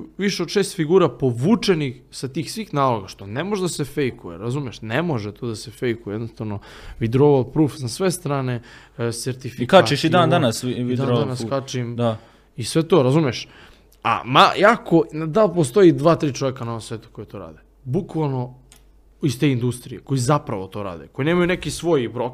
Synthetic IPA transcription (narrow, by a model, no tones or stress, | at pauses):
ʋiʃeod̪ʃeːst̪fiɡuːɾapo̞ʋuːt͡ʂe̞nix | sat̪iːxsʋiːxnaːlo̞ɡaʃt̪o̞nemo̞ʒed̪asefejkujḛɾazumjeʃnemo̞ʒet̪od̪asefe̞jkujed̪nost̪ano̞ʋid̪ɾoʋopɾuːfsasʋest̪ɾaːne̞ | seɾt̪ifikat͡ʃiʃid̪and̪anasʋid̪aoanaskat͡ʃima | isʋe̞t̪o̞ːɾazumjeʃ | a̰majako̞nad̪alpost̪o̞jid̪ʋaːt̪ɾiːt͡ʃo̞ʋekanaoomsʋeːt̪u̥ko̞jet̪o̞ɾa̰ːd̪e | bukʋalˠno̞ | ist̪eind̪ust̪ɾijeko̞jizapɾaʋo̞t̪o̞ːɾa̰ːd̪eko̞jineːmajunekisʋo̞jbɾok